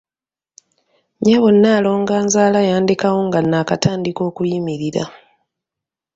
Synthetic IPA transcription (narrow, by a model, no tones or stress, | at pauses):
ɲaβonːaːlo̞ːŋɡaːnzaːlajaːndikawoŋɡanːaːkataːndiko̞ːkujimiɾiɾa̰